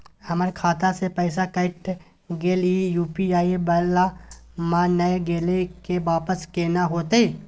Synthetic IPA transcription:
hɐməɾkʰaːt̪asepɛːɪsakəɪk̚ʈ | ɡeːlijuːpiaːibəlamãːnəeɡeːlekebaːpəskeːnaɦoːt̪eeː

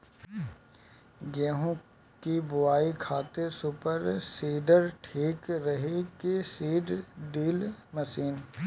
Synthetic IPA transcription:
ɡɛ̃ːɦõ | kibʊʋaːikʰaːt̪eɾsʊpəɾseːɖəɾʈʰeːkɾɐɦekesiːɖɖiːlmɐsiːn

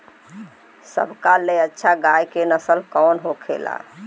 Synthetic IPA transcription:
sə̰bʱkaleətːʃʰaɡajkenəsəlkɔnɦokʰḛla̰

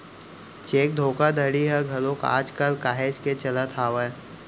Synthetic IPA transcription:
t͡ʃeːk̚d̪ʱoːkad̪ʱəɽiɦɛɡʱɐlõka̰ːd͡ʒkəlkaːɦeːd͡ʒket͡ʃɐlət̪ʰaːʋə

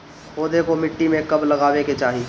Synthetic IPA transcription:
oːd̪ʱekomɪʈːimẽkɐblɐɡaːʋeket͡ʃaːɦi

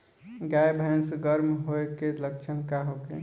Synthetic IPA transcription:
ɡajbʱajnsuɡəɾmɦoekelək̚t͡ʃʰənkaɦokḛ

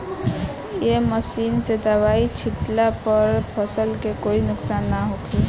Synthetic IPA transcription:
jeməsinsed̪aʋait͡ʃʰiʈlapəɾpʰəsəlkekoinʊksanːaɦokʰe

